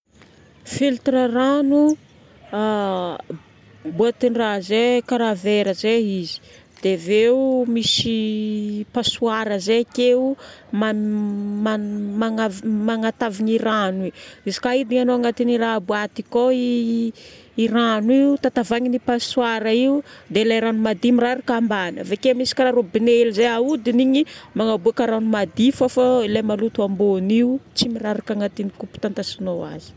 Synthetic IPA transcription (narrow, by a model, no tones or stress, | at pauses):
filt̪ɾəranu | a | buat̪inrazekaɾaveɾəzeizi̥ | d̪̥eveumisi | pasuaɾəzekeuma | amaŋavmaŋat̪aviɲiɾaniizi̥kaid̪iŋanoaŋat̪iniraabuat̪ikoi | ɾanwiut̪at̪avaŋinipasuaɾəiud̪elajɾanumad̪imiraɾakambanə̰vekemisi̥krarobinelizajaud̪iniɲimaŋabuakəɾanumad̪ifafailajmalut̪uamboniut͡simiraɾakaŋat̪inikupu̥t̪ant̪asinowa̰zi̥